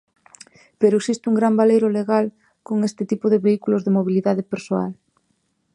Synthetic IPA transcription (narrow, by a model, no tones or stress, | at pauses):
peɾoeksist̪uŋɡɾambalejɾoleɣal | koŋest̪ɪt̪ipoðeβeikulozðemoβiliðaðepeɾsoa̰l